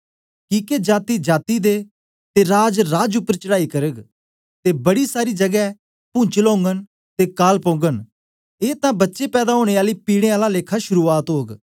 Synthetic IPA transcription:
kiːked͡ʒaːt̪id͡ʒaːt̪id̪e | t̪eɾaːd͡ʒɾaːd͡ʒʊpːəɾt͡ʃəɽaːikɐɾəɡ | t̪ebɐɽisaːɾid͡ʒɐɡɛ | pʊ̃ːt͡ʃəlõːŋɡən | t̪ekaːlpõːɡən | eːt̪ãbɐtːʃepɛːd̪aɦoːɽ̃eaːlipiːɽ̃eaːlaleːkʰaʃʊɾuaːt̪ɦoːɡ

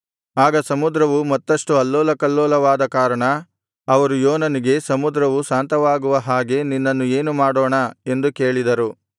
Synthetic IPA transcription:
aːɡɐsɐmud̪ɾɐʋumɐt̪ːɐʂʈuɐlːɔːlɐkɐlːoːlɐʋaːd̪ɐkaːɾɐɳɐ | ɐʋɐɾujoːnɐniɡe̞sɐmud̪ɾɐʋusaːnt̪ɐʋaːɡuʋɐɦaːɡe̞ninːɐnːue̞ːnumaːɽoːɳɐe̞nd̪uke̞ːɭid̪ɐɾu

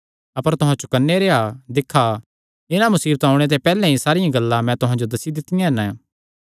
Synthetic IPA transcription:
ɐpəɾt̪ʊɦãt͡ʃʊkənːeɾead̪ɪkʰːa | ɪnãmɐsiːbət̪aːũɽ̃et̪̬epɛːlɛ̃ɦĩsaːɾɪjãɡɐlːãmɛ̃t̪ʊɦãd͡ʒod̪ɐsid̪ɪt̪ːɪjãɛnɛ̃

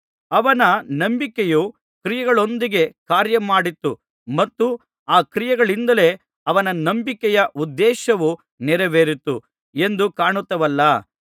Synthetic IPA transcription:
ɐʋɐnɐnɐmbikɛju | kɾijɐɡɐɭo̞nd̪iɡe̞kaːɾjɐmaːɽit̪ːu | mɐt̪ːu | aːkɾijɐɡɐɭind̪ɐle̞ | ɐʋɐnɐnɐmbikɛjɐʔud̪ːɛːʃɐʋu | nɛɾɛʋeːɾit̪ːṵ | e̞nd̪ukaːɳut̪ːɐʋɐlːɐ

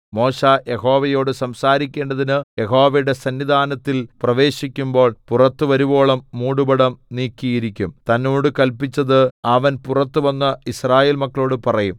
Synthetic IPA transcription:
mo̞ːʂaːje̞ɦo̞ːʋɐjo̞ːɽɨsɐmsaːɾikʲːe̞ːɳɖɐðinɨje̞ɦo̞ːʋɐɽe̞sɐnːid̪ʱaːnɐt̪ːilprɐʋe̞ːɕikʲːumbo̞ːɭpurɐt̪ːɨʋɐɾubo̞ːɭɐmːuːɽubɐɽɐmniːkːijiɾikʲːumt̪ɐnːo̞ːɽɨkɐlpit͡ɕːɐðɨɐʋɐnpurɐt̪ːɨʋɐnːɐisraːje̞ːlmɐkːɐɭo̞ːɽɨpɐrɐjum

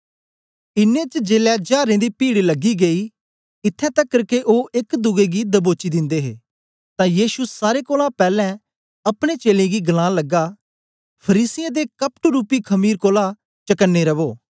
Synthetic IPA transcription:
ɪnːẽt͡ʃd͡ʒeːlɛd͡ʒaːɾẽd̪ipiːɽlɐɡːiɡei | ɪt̪ʰːɛ̃t̪ɐkːɐɾkeʔoːʔekd̪ʊɡeɡid̪əboːt͡ʃid̪ɪ̃nd̪eɦḛː | t̪ãːjiːʃusaːɾekoːlãpɛːlɛ̃ | ɐpɽ̃et͡ʃeːlẽɡiɡɐlãːləɡa | pʰəɾiːsɪjẽd̪ekəpʈɾuːpːikʰɐmiːɾkoːla | t͡ʃɐkənːeɾɐʋoː

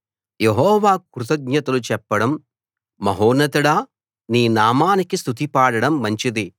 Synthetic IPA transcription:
jeɦɔːʋaːkɾut̪ɐɡ̚ɲɐt̪ɐlut͡ʃɛpːɐɽɐmː | ɐɦoːnɐt̪uɽaː | niːnaːmaːnikist̪ut̪ipaːɽɐɽɐmːɐɲt͡ʃid̪i

